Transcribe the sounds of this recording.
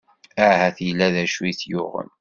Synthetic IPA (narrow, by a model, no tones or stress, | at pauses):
æhæθjlːæðæʃuiθjʊʁə̰n